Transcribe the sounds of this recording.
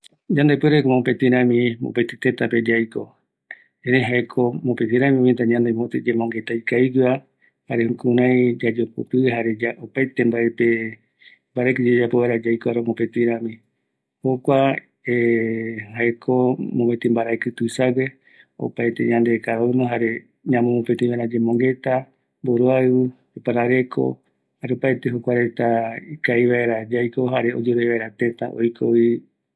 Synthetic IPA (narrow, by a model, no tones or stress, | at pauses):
d͡ʒãnd̪epeɾekomõpet̪ĩɾ̃ãmĩmo̰pet̪it̪et̪ape̞d͡ʒajko̞ | eɾeɦaekʰomopet̪ĩɾãmĩõmĩt̪̬aɲãnd̪emot̪id͡ʒẽmõŋɡe̞t̪ajkaiɡɨa | haɾeukũɾãjd͡ʒad͡ʒopo̰t̪ɨɦaɾe̞d͡ʒaopaet̪embaepe | mbaɾakɨd͡ʒed͡ʒapoβaɾad͡ʒajkoaɾemopet̪iɾãmĩ | hokʷa | e | haekʰomõmet̪imbaɾaekɨt̪usawe̞ | o̰pajt̪ḛɲãnd̪ekaanõɦaɾe̞ | ɲãmõmopet̪iβaeɾad͡ʒemõŋɡe̞t̪a | mboɾoaɨɨ | epaɾaɾe̞kʰo̞̰ | haɾeopajt̪eɦokʷaɾe̞t̪aikaiβaeɾad͡ʒajko̞ɦaɾeo̰d͡ʒoɾeβaeɾat̪ẽ̞t̪a̰ʔo̰jkʰo̰i